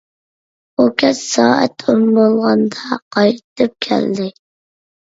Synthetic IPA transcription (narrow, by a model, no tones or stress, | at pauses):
okʲʰɛt͡ʃsɑːæ̰t̪ʰumbolˠʁɑnd̪ɑqʰɑjt̪ʰɨp̚kʲʰæ̰ld̪ɪ